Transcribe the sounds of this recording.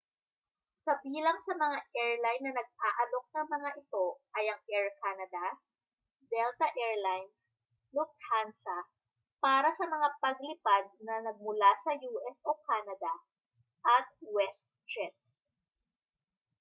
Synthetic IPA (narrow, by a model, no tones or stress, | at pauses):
kɐbiːlɐŋsɐmɐŋaʔɛɹlajnːɐnɐɡ̚aːʔɐlo̞k̚nɐŋmɐŋaʔɪt̪o̞ʔɐjɐŋʔɛɹkaːnɐd̪ɐ | d̪ɛlt̪ɐʔɛɹlajns | lʊf̚t̪̚hansɐ | paːɾɐsɐmɐŋapɐɡ̚lɪpad̪̚nɐnɐɡ̚mʊlasɐjuːʔɛsʔokaːnɐd̪ɐ | ʔɐt̪̚wɛst̪̚t͡ʃɛt̪̚